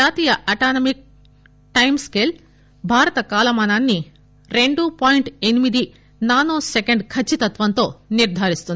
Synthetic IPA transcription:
aːt̪iːjɐʔɐʈaːnɐmik̚ | ʈɐjmskel | bʱaːɾɐt̪ɐkaːlɐmaːnaːnːi | ɾe̞ɳɖupaːjɳʈe̞nimid̪i | naːnoːsekeɳɖkʰɐt͡ʃːit̪ɐt̪ʋɐnt̪o̞ːniɾd̪ʱaːɾist̪un

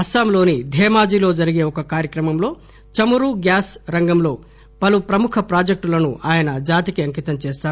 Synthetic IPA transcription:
ɐsamlo̞ːnid̪ʱɛːmaːd͡ʒilo̞ːd͡ʒɐɾiɡe̞ːɔkɐkaːɾjɐkɾɐmɐmlo̞ː | t͡ʃɐmuɾuɡjaːsɾɐŋɡɐmlo̞ː | pɐlupɾɐmukʰɐpɾaːd͡ʒɐk̚ʈulɐnuaːjɐnɐd͡ʒaːt̪ikiɐŋkit̪ɐmt͡ʃeːst̪aː

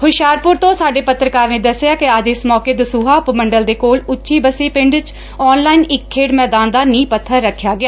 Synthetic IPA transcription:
hʊʃjaːɾpʊɾt̪õːsaːɖeːpət̪ːɾəkaːɾnẽːd̪əsːejaːkɪəd͡ʒɪsmɔːkeːd̪əsuːɦaːʊpməɳɖəld̪eːkoːlʊtːʃiːbəsiːpɪ̃ɳɖt͡ʃ | ɔːnlaːinɪkʰːeːɽmɛːd̪aːnd̪aːnĩːpət̪ʰːəɾːəkʰːjaːɡɪjaː

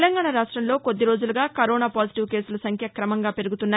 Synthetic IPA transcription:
lɐŋɡaːɳɐɾaːʂʈɾɐmlo̞ːko̞d̪ːiɾo̞ːd͡ʒuluɡaːkɐɾɔːnaːpaːd͡ʒiʈiʋke̞ːsulɐsɐŋkʰjɐkɾɐmɐŋɡaːpe̞ɾuɡut̪unːaː

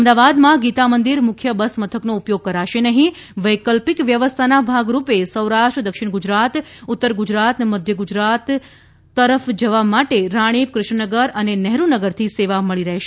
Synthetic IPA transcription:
əmd̪aʋad̪mãɡit̪amənd̪iɾmʊkʰjəbəsmət̪ʰəknoupjoɡ̚kəɾaʃenəɦĩ | ʋəjkəlpikʋjəʋəst̪ʰanabʱaɡɾupesəwɾaʃʈɾəd̪əkʃɪɳ̃ɡud͡ʒɾat̪ʊt̪ːəɾɡud͡ʒɾat̪nməd̪ʱjəɡud͡ʒɾat̪ː | əɾəfd͡ʒəʋamaʈeɾaɽ̃ipkɾʊʃɳnəɡəɾənenɛɦɾunəɡəɾt̪ʰiseʋaməɭiɾəɦeʃe

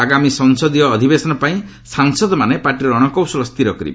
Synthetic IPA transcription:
aɡamisɔŋsɔd̪ijɔːd̪ʱibesɔnɔpaĩ | saŋsɔd̪ɔmanepaɾʈiɾɔːɽ̃ɔkɔwsɔlɔst̪iɾɔkɔɾḭbe

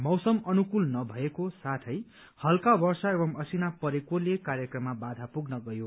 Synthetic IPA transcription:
mʌwsʌmʌnukulnʌbʱʌekosat̪ʰʌj | hʌlkabʌrsʌebʌmʌsinapʌɾekolekarjʌkrʌmːabad̪ʱapuɡnʌɡʌjo

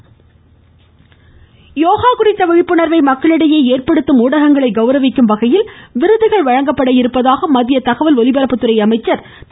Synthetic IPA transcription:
joːɣaːkʊrɪt̪ːɐʋɐɻɪpːɯɳɐɾʋɐɪmɐkːɐɭɪɽɐjeːeːrpɐɽɯt̪ːɯmuːɽɐɣɐŋɡɐɭɐɪɡɐʊɾɐʋɪkːɯmʋɐɣɐjɪlʋɪɾɯðɯɣɐɭʋɐɻɐŋɡɐpːɐɽɐjɪɾɯpːɐðaːɣɐmɐðɪjɐt̪ɐɣɐʋɐlɔlɪbɐɾɐpːɯt̪ːɯɾɐɪɐmɐɪt͡ʃːɐɾ

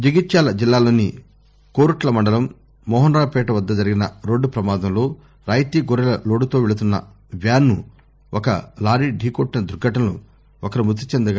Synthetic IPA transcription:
d͡ʒiɡit̪ʃaːlɐd͡ʒilːaːlo̞ːni | koːɾuʈlɐmɐɳɖɐlɐmː | ɔːɦɐnɾaːpɛːʈɐʋɐd̪ːɐd͡ʒɐɾiɡinɐɾo̞ːɖːupɾɐmaːd̪ɐmlo̞ː | ɾaːjt̪iːɡoɾɛlɐlo̞ːɽut̪o̞ːʋɛɭut̪unːɐ̰ | ʋjaːnːu | ɔkɐ̰laːɾiːɖʱiːkoʈːinɐd̪uɾɡɐʈɐmlo̰ː | ɔkɐɾimusit͡ʃend̪ɐɡaː

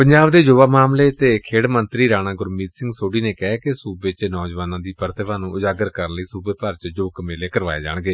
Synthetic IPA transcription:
pəɲd͡ʒaːbd̪eːd͡ʒoːʋaːmaːmleːt̪eːkʰeːɽmənt̪ɾiːɾaːɽãːɡʊɾmiːt̪sɪ̃ŋɡsoːɖiːneːkɛkɪsuːbeːt͡ʃnɔːd͡ʒʋaːnãːd̪iːpəɾt̪ʰəʋaːnũːʔʊd͡ʒaːɡəɾkəɾənləiːsuːbeːpəɾt͡ʃd͡ʒoːkmeːleːkəɾʋa̰ːḛːd͡ʒa̰ːɳ̃ɡeː

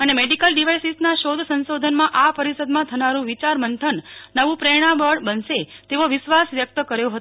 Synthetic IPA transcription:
ənemeɖikəlɖiʋajsisnaʃod̪ʱsənsod̪ʱənmãʔapəɾisəd̪mãt̪ʰənaɾũʋit͡ʃaɾmənt̪ʰənːəʋũpɾeɽ̃ãbəɽbənset̪eʋoʋɪʃʋasʋjək̚t̪əkəɾjoɦət̪

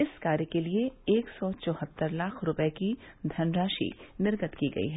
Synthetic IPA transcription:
ɪskaːɾjəkelieeːksɔt͡ʃɔ̃ːhət̪ːəɾlaːkʰɾʊpɛeki | d̪ʱɐnɾaːʃḭnɪɾɡət̪kiɡɐ̰ḭɦɛː

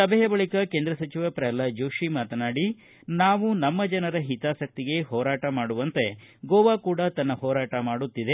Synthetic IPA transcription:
sɐbʱɛjɐbɐɭikɐkeːnd̪ɾɐsɐt͡ʃiʋɐpɾɐjɐlːɐd͡ʒoːʃimaːt̪ɐnaːɽi | naːʋunɐmːɐd͡ʒɐnɐɾɐɦit̪aːsɐk̚t̪iɡe̞ɦɔːɾaːʈɐmaːɽuʋɐnt̪e̞ɡɔːʋaːkuːɽɐt̪ɐnːɐɦɔːɾaːʈɐmaːɽut̪ːid̪e

